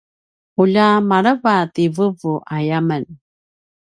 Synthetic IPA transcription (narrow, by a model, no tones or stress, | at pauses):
uʎamaɾəvativəvuʔajamən